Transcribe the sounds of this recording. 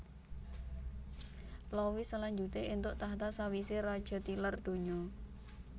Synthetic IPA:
plɔwisəlaɲd͡ʒut̪eint̪ʊʔt̪aɦt̪asawiserad̥ʒ̥a̤t̪ilərd̪̥o̤ɲɔ

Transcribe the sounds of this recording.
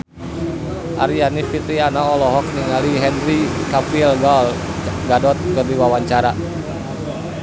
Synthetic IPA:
ʔaɾianifit̪ɾianaɔlɔɦɔk̚niŋaliɦɛnrikafilɡalɡadɔt̪̚kərdiwawaɲt͡ʃaɾa

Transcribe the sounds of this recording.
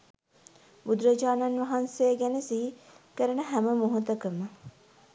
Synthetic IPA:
bud̪ɾɐd͡ʒaːnanʋɐɦansejəɡænesiɦikəɾənəɦæməmoɦut̪əkəmə

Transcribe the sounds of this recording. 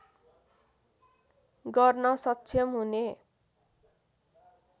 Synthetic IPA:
ɡʌrnʌsʌtːsʰʌmɦune

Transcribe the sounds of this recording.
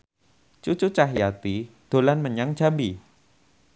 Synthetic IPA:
t͡ʃut͡ʃut͡ʃaɦjat̪id̪̥o̤lanməɲaŋd̥d͡ʒ̥a̤mbi

